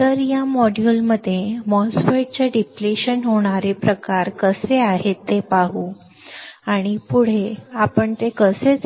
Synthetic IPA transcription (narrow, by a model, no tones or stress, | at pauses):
t̪əɾjamɔɽjulməd̪ʱjemɔsfeɽ̚t͡ɕaɖipleɕənɦoɽ̃aɾepɾəkaɾkəseaɦet̪ːepaɦu | aɽ̃ipuɽ̤eapəɳt̪ekəset͡s